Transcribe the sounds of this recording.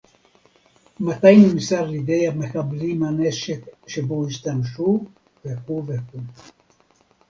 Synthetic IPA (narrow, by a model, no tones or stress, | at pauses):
mat̪ajnimisaʁlid̪ejamexablimhaneʃekʃeboiʃt̪amʃu | vekuveku